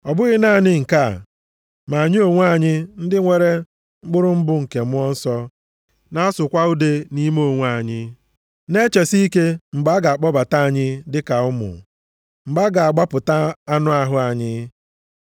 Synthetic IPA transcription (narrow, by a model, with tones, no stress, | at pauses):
ɔ˨bʊ˦ɣɪ˦na˦˨nɪ˦ŋ̩˨ka˦˨ | ma˨ɲɪ˦o˨ŋʷ˦a˦˨ɲɪ˦n̩˦dɪ˦ŋʷe˦ɾe˦ | ŋ͡m̩˦ɡ͡bʊ˦ɾʊ˦m̩˦bʊ˦ŋ̩˨ke˨mʊ˦ɔ˦n̩˦sɔ˦ | na˦a˦sʊ˨kʷa˦u˦de˦ni˦mo˦˨ŋʷ˦a˦˨ɲɪ˦ | ne˦t͡ʃe˨si˦i˦ke˦ŋ͡m̩˨ɡ͡ba˦ɡa˨a˨k͡pɔ˦ba˨ta˦a˨ɲɪ˦dɪ˦ka˨ʊ˦mʊ̰˨ | ŋ͡m̩˨ɡ͡ba˦ɡa˨a˨ɡ͡ba˦pʊ˨ta˦a˦nʊ˦a˦ɦʊ˦a˨ɲɪ˦